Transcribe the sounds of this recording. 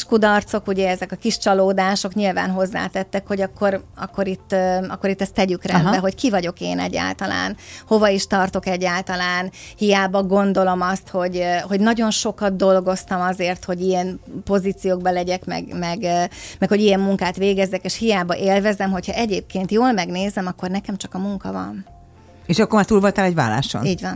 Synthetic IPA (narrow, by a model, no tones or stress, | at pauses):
ʃkud̪ɒrt̪so̞kuɟɛɛzɛkɒkiʃt͡ʃɒloːd̪aːʃo̞kɲilva̰ːnɦo̞zːa̰ːt̪ɛt̪ːɛkho̞ɟɒkːo̞ɾɒ̰kːo̞ɾit̪ːɒ̰kːoɾit̪ːɛst̪ːɛɟykrɛnmd̪bɛɦo̞ckivɒɟo̞kḛːnɛ̰ɟːa̰ːlt̪ɒla̰ːnho̞vɒiʃt̪ɒrt̪o̞kɛɟːaːlt̪ɒlaːnhijaːbɒɡo̞nd̪o̞lo̞mɒst̪ho̞ɟɦo̞ɟnɒɟo̞nʃo̞kɒd̪̚d̪o̞lɡo̞st̪ɒmɒzeːrt̪ho̞ɟijɛnpo̞ziːt̪sijoːɡ̚bɒlɛɟɛkmɛ̰ɡmɛɡmɛkho̞ɟijɛmːuŋkaːt̪ʋeːɡɛzːɛkeːʃhijaːbɒʔeːlvɛzɛmɦo̞chɒʔɛɟeːp̚keːnt̪joːlmɛɡneːzɛmɒkːo̞rnɛkɛmt͡ʃɒkɒmuŋkɒvɒ̰n | eːʃɒkːoɾmaːt̪uːlvolt̪alɛɟva̰ːla̰ːʃo̰niːɟʋɒn